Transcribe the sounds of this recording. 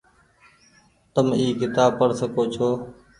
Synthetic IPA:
t̪əmiːkɪt̪aːb̚pəɽsəkoːt͡ʃʰoː

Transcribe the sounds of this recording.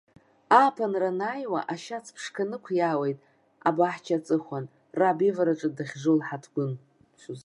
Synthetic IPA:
apʰanranajwa̰ʔaʃat͡sʰpʰʂkʰanɨkʷʰjawejtʼ | abaħt͡ʃʰat͡sʼɨχʷan | rabivaɾaʈ͡ʂʼɨdaχʲʐɨlħatʰɡʷʊn | t͡ʃʷʰuz

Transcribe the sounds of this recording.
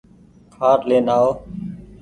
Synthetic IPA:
kʰaːɾleːnaːoː

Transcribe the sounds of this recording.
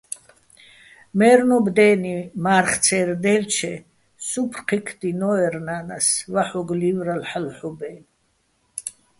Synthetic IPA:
mɛːɾnɔbd̪ɛːnimaːɾχt̪t͡sʰɛːɾd̪ɛlt͡ʃʰɛ | supʰrqʰikʰd̪inɔɛɾnaːnasvaħɔɡliːvɾalħalħubɛːn

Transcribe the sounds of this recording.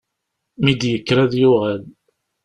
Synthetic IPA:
mid̪jəkːɾæðjʊʁæl

